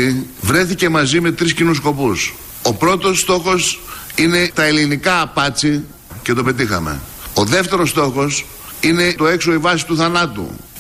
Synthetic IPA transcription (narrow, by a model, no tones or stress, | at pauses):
ivɾe̞θice̞mɐzime̞t̪ɾiscinusko̞pus | o̞pɾo̞t̪o̞st̪o̞xo̞sine̞t̪ɐelinikɐːpɐt͡si | ce̞t̪o̞pe̞t̪ixɐ̰me̞̰ | o̞ðe̞ft̪e̞ɾo̞st̪o̞xo̞s | ine̞t̪oe̞kso̞ivɐsi̥t̪uθɐnɐt̪ṵ